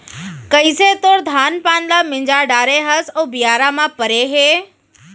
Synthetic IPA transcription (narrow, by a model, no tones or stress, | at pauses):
kəiset̪oɾd̪ʱaːnpaːnlamɪ̃ɲd͡ʒaɖaːɾeɦəsoːbɪjaːɾamãpəɾeɦeː